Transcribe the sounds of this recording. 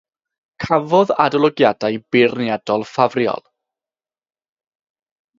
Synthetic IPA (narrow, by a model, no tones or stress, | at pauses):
kʰavɔðadɔlˠɔɡjadajb̥ɪrnjadɔlˠfavrjɔ̰lˠ